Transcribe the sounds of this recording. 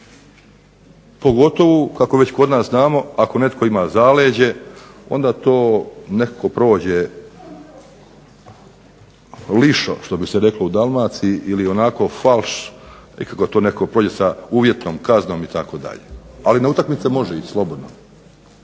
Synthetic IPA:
poɡo̞t̪o̞ʋukako̞ʋet͡ɕko̞d̪naːsznaːmo̞ako̞ne̞t̪ko̞imaːzaːleːd͡ʑe̞o̞̰nd̪aːt̪o̞ːne̞kako̞pɾo̞ːd͡ʑe | liʃo̰ʃt̪o̞biseɾe̞klo̞ud̪almaːt̪siʔilio̞nako̞falʃḭkakot̪oːne̞kakopɾoːd͡ʑe̞sauːʋjet̪noːmkazno̞ːmit̪ako̞ːd̪a̰ʎḛalineut̪akmit̪semo̞ʒeit͡ɕslˠo̞bo̞d̪no̰

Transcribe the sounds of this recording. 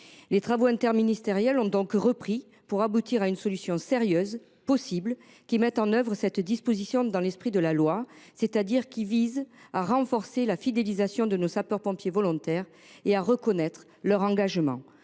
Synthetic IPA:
let̪χavoɛ̃t̪ɛʁminist̪eʁjɛlɔ̃d̪ɔ̃kʁəpχi | puʁabut̪iʁaynsɔlysjɔ̃seʁjœz | pɔsiblə | kʲimɛt̪ɑ̃nœvʁəsɛt̪d̪ispozisjɔ̃d̪ɑ̃lɛspχid̪əlalwa | set̪ad̪iʁkʲivizaʁɑ̃fɔʁselafid̪elizasjɔ̃d̪ənosapœʁpɔ̃pjevɔlɔ̃t̪ɛʁ | eaʁəkɔnɛt̪χə | lœʁɑ̃ɡaʒmɑ̰̃

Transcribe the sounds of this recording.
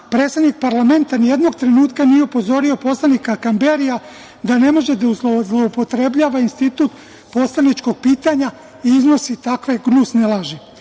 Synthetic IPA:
pɾe̞ːt̪sed̪nik̚paɾlˠame̞nt̪anije̞d̪no̞ɡt̪ɾe̞nuːt̪kanijeupo̞zo̞ɾio̞po̞slˠanikakambe̞ɾija | d̪ane̞mo̞ʒe̞d̪auzlozlˠoupo̞t̪ɾe̞bʎaːʋainst̪it̪uːt̪ | po̞slˠanit͡ʃko̞ɡ̥̚piːt̪aɲa | iizno̞sit̪akʋe̞ɡnuːsnelˠaʒi

